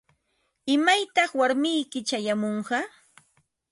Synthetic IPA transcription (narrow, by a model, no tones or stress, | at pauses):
ɪmajt̪ɑχwaɾmɪjkɪt͡ʃajamoɴɢɑ